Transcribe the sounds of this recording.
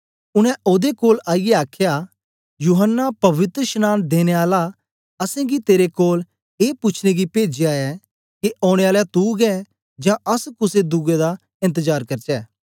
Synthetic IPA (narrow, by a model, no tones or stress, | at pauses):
ʊñɛ̃ʔoːd̪ekoːlaːijɛaːkʰja | juːɦənːapɐʋɪt̪ɾəʃənaːnd̪eːñeaːla | ɐsɛ̃ɡit̪eːɾekoːl | eːpʊt͡ʃʰneɡipeːd͡ʒeaːɛ | kiʔɔːɽ̃eaːlɛt̪uɡɛ | d͡ʒãɐskʊsed̪ʊɡed̪a | ɪ̃nt̪̬əzaːɾkɐɾt͡ʃɛː